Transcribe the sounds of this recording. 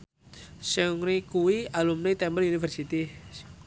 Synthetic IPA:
sɛŋɾikuwialumnit̪ɛmbəlunifərsit̪i

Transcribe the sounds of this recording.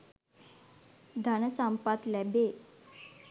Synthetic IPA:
d̪ʱanəsãmpat̪labe

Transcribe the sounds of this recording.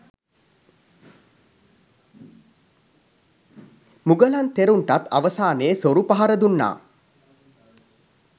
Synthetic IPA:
muɡəlant̪eɾuɳʈat̪a̰ʋəsaːneːsoɾupaɦaɾəd̪unːa̰ː

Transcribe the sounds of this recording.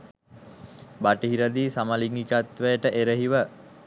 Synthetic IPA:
baʈiɦiɾəd̪iːsaməliŋɡikat̪ʋəjəʈəʔeɾəɦiʋə

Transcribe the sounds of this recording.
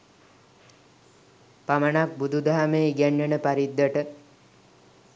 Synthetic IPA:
pamənak̚bud̪ʱud̪ʱaɦamejɡɛnːənəpaɾid̪ːəʈə

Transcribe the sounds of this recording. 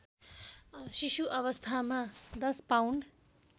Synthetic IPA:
sisuʔʌβʌst̪ʰamad̪ʌspawɳɖ

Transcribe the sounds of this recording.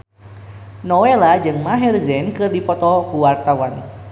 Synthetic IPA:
nɔwelad͡ʒɨŋmaɦɛrzɛnkɨrdipɔt̪ɔkuwart̪awan

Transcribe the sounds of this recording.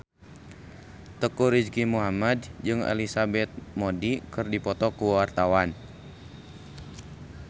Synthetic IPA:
t̪əkuɾid͡ʒkimuɦamadd͡ʒɨŋa̰lisabɛt̪̚modikɨrdipɔt̪ɔkuwart̪awan

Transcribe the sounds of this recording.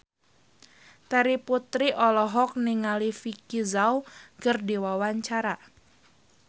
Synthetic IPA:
t̪ɛɾiput̪ɾiʔɔlɔɦɔk̚niŋalifikizawkərdiwawaɲt͡ʃaɾa

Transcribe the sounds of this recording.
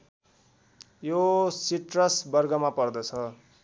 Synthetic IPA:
josiʈrʌsbʌrɡʌmapʌrd̪ʌt͡sʰʌ

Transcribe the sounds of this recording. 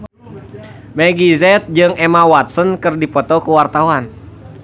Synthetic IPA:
mɛɡizɛt̪̚d͡ʒɨŋɛmawat̪̚sənkɨrdipɔt̪ɔkuwart̪awan

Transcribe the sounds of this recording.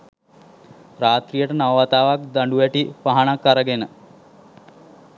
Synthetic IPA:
ɾaːt̪rijəʈənaʋʋat̪aːʋak̚d̪aɳɖuʋæʈipaɦaɳakːaɾəɡenə

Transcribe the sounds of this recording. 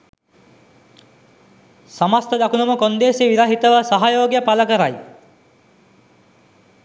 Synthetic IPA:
samast̪əd̪akunɐmukond̪eːsiʋiɾaːɦit̪ɐʋəsaɦajoːɡjəpalɐkəɾaj

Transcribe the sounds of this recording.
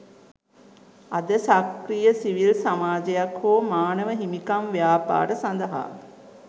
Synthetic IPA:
ɐd̪əsakɾijəsiʋilsamaːd͡ʒejakɦoːmaːnəʋəɦimikamʋijaːpa̰ːɾəsand̪əɦa̰ː

